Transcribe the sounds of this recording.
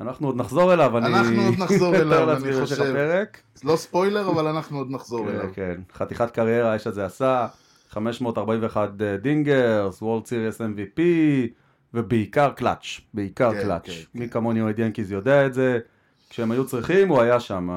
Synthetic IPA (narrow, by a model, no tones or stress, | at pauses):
anaχnuod̪naχzo̞ʁelavaninuod̪nazoot̪eʁlaɡiʁoʃepeʁek | lospojle̞ʁavalanaχnuod̪naχzokʁekenχat̪iχat̪kaʁje̞ʁaeʃazeasa | χame̞ʃmo̞ːt̪aʁbaimveːχad̪diŋɡeʁswoldt͡siʁesemvipi | vebeikaʁkla̰t͡ʃbeikaʁkla̰t͡ʃmikamonioid̪jenkizejo̞d̪eaetze | kʃeemajut͡sʁiχimuajaʃama